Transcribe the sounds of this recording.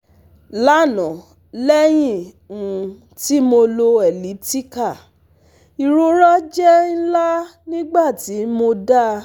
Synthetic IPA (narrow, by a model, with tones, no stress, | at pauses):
la˦˨nɔ̃˨ | lɛ˦j̃ĩ˦˨ | ũ˨ | ti˦mo˧lo˧ɛ˨li˨˦ti˦ka˦˨ | i˨ɾo˧ɾɔ˦d͡ʒɛ˦n̩˦la˦nĩ˦ɡ͡ba˦˨ti˨˦mo˧da˦